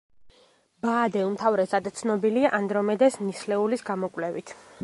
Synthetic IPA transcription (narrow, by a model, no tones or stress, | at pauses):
baːd̪ɛumt̪ʰavɾɛsad̪t̪sʰnɔbiliaʔand̪ɾɔmɛd̪ɛsnislɛulisɡamɔkʼwlɛvit̪ʰ